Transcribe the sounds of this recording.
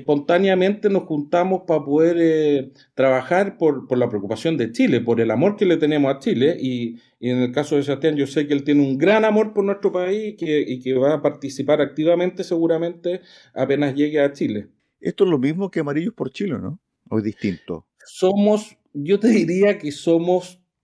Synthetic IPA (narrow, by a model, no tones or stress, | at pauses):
po̞nt̪anjame̞nt̪enosxunt̪amo̞spapo̞ðeɾe | t̪ɾaβaxaɾpoɾpoɾlapɾeokupasjo̞nd̪et͡ʃilepo̞ɾe̞lamo̞ɾkele̞t̪e̞nemosat͡ʃileʔi | enelkasoðes̬at̪janɟosekelt̪je̞neuŋɡɾanamo̞ɾpoɾnwe̞ht̪ɾopaisikeikeβapaɾt̪isipaɾak̚t̪iβamẽ̞nt̪e̞se̞ɣuɾame̞nt̪e | ape̞nazʝeɣeat͡ʃile̞ | est̪oezlomizmokeamaɾiʎospoɾt͡ʃilḛno̰ | ojðist̪int̪o̰ | somos | ɟ͡ʝot̪e̞ðiɾiakesomos